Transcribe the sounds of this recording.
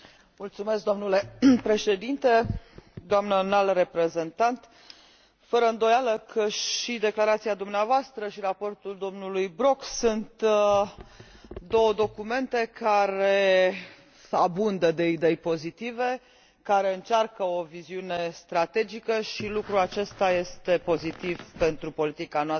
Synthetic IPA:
mult̪sume̞sk̚d̪omnule̞pɾe̞ʃe̞d̪int̪e̞d̪oamnənalre̞pɾe̞ze̞nt̪ant̪ | fəɾəɨnd̪o̞jaləkʰəʃid̪e̞klaɾat̪siad̪umneavoast̪ɾəʃirapo̞rt̪uld̪o̞mnulujbɾo̞ksunt̪ | d̪o̞wəd̪o̞kume̞nt̪e̞kaɾe̞ | abund̪əd̪e̞id̪e̞jpo̞zit̪ive̞ | kaɾe̞ɨnt͡ʃarkəo̞viziune̞st̪ɾat̪e̞d͡ʒikəʃilukɾuat͡ʃe̞st̪aje̞st̪e̞po̞zit̪iv̥pe̞nt̪ɾupo̞lit̪ikanoas

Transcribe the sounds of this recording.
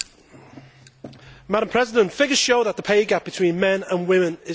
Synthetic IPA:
maɾə̃mpʰɹ̥ɛzɪdə̃ntfɪɡəz̥ʃoʊðəʔðəpʰeɪɡap̚b̥ɪtʰw̥ĩːnmɛ̃nə̃nwɪ̃mɪ̃nɪ

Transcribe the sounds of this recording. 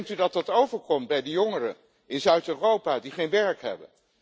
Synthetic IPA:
ŋtydɑtdɑtowvəɹkɔmt̚bɛjdəjoŋərə̰ | ʔɪnzœɥtøːrowpaːdiχejnʋɛɹkɦɛ̰bə̰n

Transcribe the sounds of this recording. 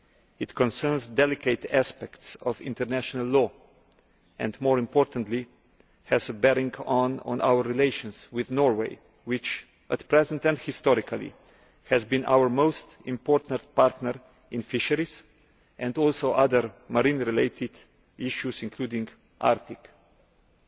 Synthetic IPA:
ɪt̪kɔ̃nsɜɾnzdɛlɪkʰeɪt̪æspɛktsɔvɪ̰̃ntəɾnæʃɔnalːɔː | ɛ̃ndmɔːɹɪ̃mpɔːɾt̪ə̃nt̪li | hɛzəbɛɾĩŋɡɔ̃nɔ̰̃nʔa̰wəɾɹileɪʃɔ̃nswɪðnɔɹweɪ | wɪt͡ʃ | ʔət̪pɾɛzə̃ntɛ̃ndhɪst̪ɔɾɪkʰalḭ | hɛzbĩnʔa̰wəɾmoʊst̪ | ɪ̃mpɔɾt̪əɾpaɾt̪nəɾ | ɪ̃nfɪʃəɾis | ʔɛ̃ndɔlsoʊʔaðəɾmaɾĩnɾileɪt̪ʰɪd̪ | ʔiʃjusɪ̃nkʰluːdĩŋɡ | ʔa̰ɾt̪ɪk

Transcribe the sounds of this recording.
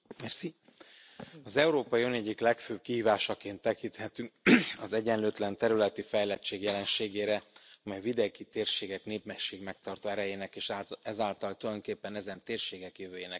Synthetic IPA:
mɛrsi | ɒzɛuɾoːpɒjiønɛɟːiklɛkføːb̚kiɦiːvaːʃɒkeːnt̪ːɛkint̪hɛt̪yŋk̚ɒzɛɟɛnløːt̪lɛnt̪ɛɾylɛt̪ifɛjlɛt͡ʃːeːɡjɛlɛnʃeːɡeːɾɛɒmɛjvid̪eɡit̪eːrʃeːɡɛkneːpmɛʃeːɡmɛk̚t̪ɒrt̪oːɛɾɛjeːnɛkeːʃɛzaːlt̪ɒlt̪ulɒjokeːpːɛnɛzɛnt̪eːrʃeːɡɛkjøvøːjeːnɛk

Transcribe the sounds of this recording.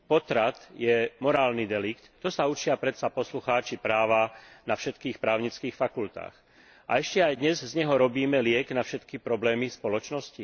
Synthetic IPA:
pɔt̪ɾat̪jɛmɔɾaːlnid̪ɛlikt̪ːɔsaut͡ʃɪapɾɛt̪sapɔsluxaːt͡ʃipɾaːʋanafʃɛt̪kiːxpɾaːʊɲit͡skiːxfakult̪a̰ːx | ʔa̰ɛʃcɛajd̪ɲɛzzɲɛɦɔɾɔbiːmɛlɪɛɡnafʃɛt̪kipɾɔblɛːmispɔlɔt͡ʃnɔsci

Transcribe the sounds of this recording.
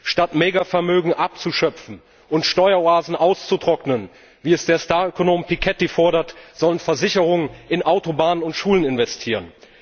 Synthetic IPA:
ʃtatmeːɡafɛɐmøːɡŋ̩ʔap̚t͡suʃœpp͡fn̩ | ʔʊntʃtɔʏɐoaːzn̩ʔaʊst͡sutʁ̥ɔknən | viːɛsd̥eːɐstaːɐøkonoːmpikʰɛtifɔɐɾɐtz̥ɔlənfɛɐzɪçəʁʊŋənʔɪnʔaʊtobaːnənʊntʃuːlənɪnvɛstʰiːʁən

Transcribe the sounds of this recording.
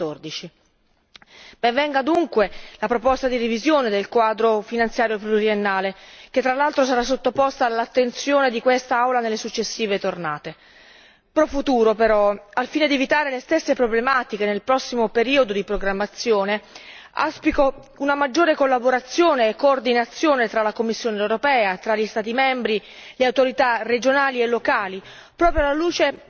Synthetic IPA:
t̪ːord̪it͡ʃi | bevɛŋɡad̪uŋkwelapɾopɔst̪ad̪irivizjoːned̪elkwaːd̪ɾofinant̪sjaːɾjopluɾienːaːlek̟et̪ːɾalalt̪ɾosaɾasːot̪ːopɔst̪aːlːat̪ːent̪sjoːned̪ikwest̪aawlanelːesut͡ʃːesːiːvet̪ornaːt̪e | pɾɔfut̪uːɾopeɾɔalfiːned̪ievit̪aːɾelest̪esːepɾoblemaːt̪ikenelpɾɔsːimopeɾiːod̪od̪ipɾoɡɾamːat̪sːjoːne | a̰spiko | unamad͡ʒːoːɾekolːaboɾat̪sːjoːneːkːoːrd̪inat̪sːjoːnet̪ɾalakomːisːjoːneːwɾopɛːat̪ɾaʎːist̪aːt̪imɛmbɾileawt̪oɾit̪ared͡ʒonaːlielːokaːli | pɾɔːpɾjoalːaluːt͡ʃe

